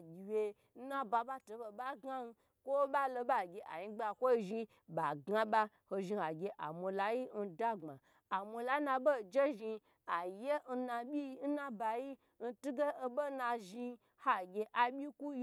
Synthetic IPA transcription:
ɡʲi˨we˧ | n̩˦na˦ba˧ba˦to˨˦bo˧ba˦ɡa˦n̩˧ | kʷo˦ɓa˦lo˧ba˦˨ɡʲe˨ʔa̰˨ji˧ɡ͡ba˧˨kʷo˦˧ʒi˧ | ba˨ɡa˦ba˦ho˧ʒi˧ha˨ɡʲe˨ʔa̰˨mo˧la˨ji˦n̩˧da˦ŋ͡ma̰˨ | a˨mʷo˧la˨˦na˧bo˦˨d͡ʒe˦ʒi˧ | a˨je˦n̩˧na˧bʲi˦n̩˦na˦ba˧ji˦ | n̩˦tu˦ɡe˦o˧bo˦na˧ʒi˧ | ha˨ɡʲe˧ʔa˨bʲi˦ku˦

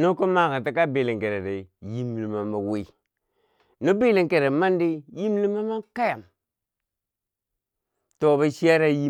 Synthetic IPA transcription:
no˦ko˦ma˦˨ka˨n˨ta˨˦ka˦bi˨le˨ŋke˨ɾe˨de˨ji˦m˨li˨ma˨mba˨we˦i˨ | no˦bi˦le˨ŋke˨ɾe˨ma˦ndi˦ji˦m˦li˦ma˦ma˦ŋka˦ja˨m | to˨ba˦ʃi˦a˦ɾa˦ji˦

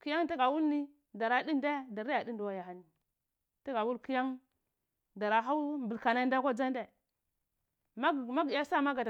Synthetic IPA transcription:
ki˦ja˦ŋti˦ɡa˨wu˦lni˦ | da˨ɾa˦di˦nda˦da˨ɾi˦ja˨di˦nda˨wa˦ja˨ɦa˦ni˨ | ti˦ɡa˨wu˦lki˦ja˦ŋ | da˨ɾa˨ɦa˦mbi˨lka˨na˦da˦ko˦d͡za˦n˦de˦˨ | ma˦˨ma˦ɡja˦sa˦˨ma˦ɡa˨ta˨

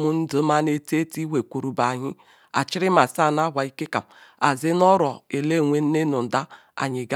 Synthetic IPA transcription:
mu˦n̩˦du˨˦ma˦ne˨te˦ti˦we˨kʷu˨ɾu˨ba˨ɲi˦ | a̰˨t͡ʃi˦ɾi˦ma˨sa˦˨na˦ɦʷa˨i˦ki˦ka˨m˨a˨zi˦n˦ɔ˦ɾɔ˨e˨le˦˨ŋʷe˦n̩˦ne˦nu˨n̩˨da˦ | a̰˨ɲi˨ɡa˦

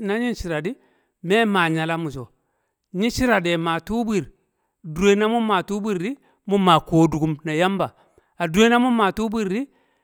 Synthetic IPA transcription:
na˦ɲi˦nʃi˨ɾa˨di˦ | me˦ma˨ɲa˨la˦mu˨so˨ | ɲi˦ʃi˦ɾa˨de˨ma˨tu˦bi˦˨ɾ | du˨e˦na˦mu˦ma˨tu˦bi˦˨ɾdi˦ | mu˦ma˨ko˨˦du˨ɡu˦mna˨ja˦mba˨ | a˨de˦na˦mu˦ma˨tu˦bi˦ɾdi˦

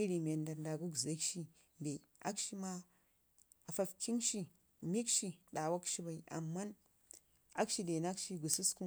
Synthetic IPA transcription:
i˦ɾi˨mʲe˨nda˨nda˨ɡu˦ɡza˨˦kʃi˦ | de˨ | a̰˦kʃi˦ma˦ | a˨fa˨fkʲʰi˦nʃi˦˨ | mi˦kʃi˦ɗa˨wa˦kʃi˦ba˨i˨ʔa̰˨mːa˦n | a˦kʃi˦de˨na˦kʃi˦ɡu˨su˦sku˦

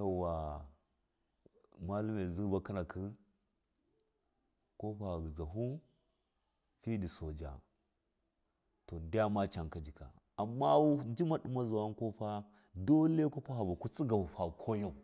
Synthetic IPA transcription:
ja˨wa˨ | ma˦lu˦me˨zu˦ba˨ki˦na˨kʰi˦ | ko˦ɸa˨ɡi˨za˨ɦu˦ | fi˦di˨so˨d͡ʒa̰˨ | to˨nda˦ma˦t͡ʃa˨ŋka˨d͡ʒi˨ka̰˨ | a˨mːa˦wu˦n˦d͡ʒi˦ma˦ɗu˨ma˦za˨wa˦nko˦ɸa˦ | do˦le˦ku˦pa˦ɦa˨ba˨ku˦t͡si˦ɡa˨u˨ɸa˨kʰo˦ja˦u˨

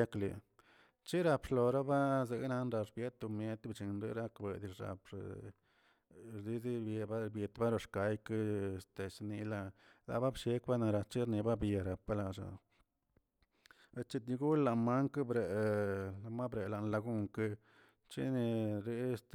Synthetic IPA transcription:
a˦klḭ˨ | t͡ʃi˦ɾa˧pʂlo˨ɾa˦ba˦ze˧˦na˧nɾa˧ʂbje˦t̪u˧me˧t̪bt͡ʃi˨nɾḛ˦ɾa˦kbe˨d̪i˧ʂɾa̰˨pʂ | ɾd̪i˦zi˦be˧ba˦bje˨˧t̪ba˦ɾo˧ʂka˨jke˦˨st̪e˨sni˧la˧ | la̰˨ʔba˦bʃe˧kba˦na˧ɾa˧t͡ʃi˦ɾni˧ba˦bja˨ɾa˨pːa˦la˧ʂa̰˨˧ | t͡ʃi˧t̪ni˧ɡu˦lːa˧ma˦ŋka˦bɾe˨la˧ma˦bɾe˨la˨nla˧ɡu˦ŋke˦˧ | t͡ʃḭ˦ni˧ɾi˦˧s

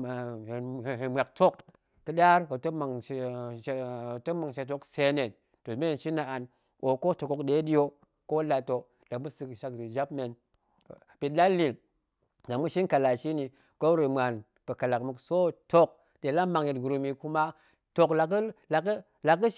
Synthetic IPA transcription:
m˨a˨ktʰo˦k | kə˦ɗa˦ɾko˨to˦ma˨ŋ˨ | to˦ma˨ŋʃa˨t̬o˦kse˦ne˨n | to˨me˦˨ʃi˦na˨a˨n | o˨ko˦to˨ko˦kɗe˦ɗi˦jo˦ | ko˦la˨to˨ | d̥a˨mu˦si˨kʃa˦kdi˨d͡ʒa˦pme˨n | pi˨la˦lːi˨l | da˨mu˦ʃi˦ka˨la˨ʃi˦ni˨ | ko˦ɾi˨m˨a˨n | pe˨ka˨la˨kmu˨kso˦to˦k̚ | ɗe˨la˦ma˨ŋje˨tɡu˨ɾu˨mi˨ku˦ma˦ | to˨kla˨ki˦la˨k | la˨k̬i˦ʃ

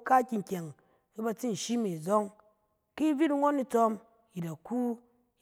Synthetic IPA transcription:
ka˦kʲi˨ŋ̩˨kʲe˨ŋ | ki˦ba˧ti˦n̩˨ʃi˦me˨zo˦ŋ | ki˦vi˦ti˦ŋʷo˦ni˦to˦m | ji˨ta˨ku˦

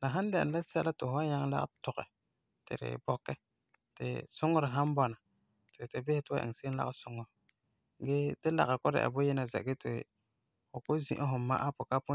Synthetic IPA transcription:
la˨ɦã˦n˦dɛ˨n˨la˦sɛ˦la˦tʊ˨ha˦ɲa˦ŋ˦la̰˦ktʊ˨ɣɛ̰˨ | tɪ̰˨ɾɪ̰˨bɔ˨kːɛ˦ | tɪ̰˨sʊ˦ŋʊ˦ɾɪ˨ɦa˦mbɔ˨na˨ | tɪ˨tɪ˨bɪ˦hɪ˦tʊ˦a̰˦˨ɪ̰˨ŋ˨sɪ˦n˦la̰˦ɣsʊ˦ŋʊ˨ɾ | ɡɪ˦tɪ˦la̰˨ɣɛ˨kɔ˦dɛ̰˨ʔa̰˨bʊ˦jɪ˦na˨zɛ̰˨ɡɛ˦tɪ˨ | ʊ˨kʊ˦zḭ˨ʔɔ˦ɦʊ˨ma̰˦ʔa˦pʊ˨ka˦pʊ˦

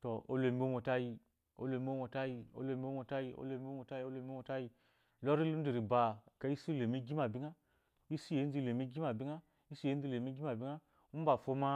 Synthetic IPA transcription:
to˨o̰˦lo˨mi˦o˦mo˨ta˦ji˧ | o̰˦lo˨mi˦o˦mo˨ta˦ji˨o̰˦lo˨mi˦o˦mo˨ta˦ji˧˨o̰˦lo˨m˦o˦mo˨ta˦ji˦o˦lo˨mi˦mo˨ta˦ji˧ | lo˦ɾi˦lu˦n˦di˨ɾi˨ba˨ka˧˦ji˦si˦le˨mi˦ɡʲi˦ma˨bi˦ŋa˦ | ji˦si˦je˨˦n˦d͡zi˦le˨mi˦ɡi˦ma˨bi˦ŋa˦ | ji˦si˦je˨˦n˦i˦le˨mi˦ɡi˦ma˨bi˦ŋa˦ | u˦ba˨fo˧ma˦

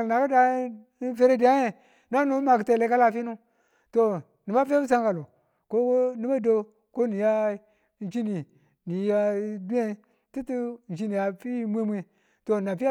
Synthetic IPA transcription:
lna˨ka˦da˨˦ | fe˦ɾe˦di˨a˦e˨ | n˦a˦nu˦ma˨kte˦˨le˦ka˦la˦fi˦nu˦ | to˨ | ni˨ma˦fe˦bu˦s̬a˦ŋɡa˨lu˨ | ko˦o˦ni˦ma˦do˦ | ko˦ni˨ja˦ | n˦t͡ʃi˦ni˨ | ni˨˦a˦du˦e˦ | ti˦ti˦˨t͡ʃi˦ni˨ja˨pi˦mʷe˦mʷ˦e˦ | to˨na˨pi˦

